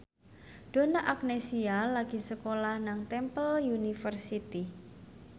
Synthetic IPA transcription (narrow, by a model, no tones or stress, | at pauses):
d̥o̤naʔak̚nesialaɡ̥i̤səkolahnaŋt̪ɛmpəljunifərsit̪i